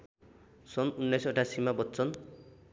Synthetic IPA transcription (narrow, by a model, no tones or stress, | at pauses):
sɔnunːajsɔʈasimabɔtːsɔn